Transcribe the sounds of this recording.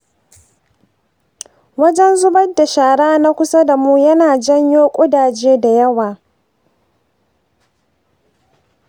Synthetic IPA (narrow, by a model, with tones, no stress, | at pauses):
wɐ˦d͡ʒɛ˦nzʊ˦bɐ˦dːa˨ʃaː˨ɽaː˦na˦kʷʊ˦sa˦da˨muː˦jɐ˦naː˨d͡ʒɐ˦ɲjoː˦kʷʼʊ˦daː˨d͡ʒeː˦da˨jɐ˦waː˨